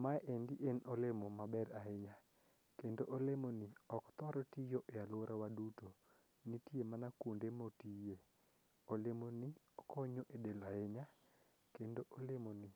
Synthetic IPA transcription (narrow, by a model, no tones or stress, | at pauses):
maʔendiʔenɔlemomabɛɾaeɲa | kendoʔolemonɪɔkt̪ɔɾɔtijoʔealoɾʔawaduto | nitiemanakundemotije | olemonɪ | ɔkʰɔɲoʔedelaeɲa | kendoʔolemonɪ